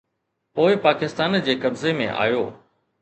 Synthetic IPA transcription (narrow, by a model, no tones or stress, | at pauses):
poːɪpaːkɪst̪aːnd͡ʑeːkɐbzemḛ̃ʔa̰ːjoː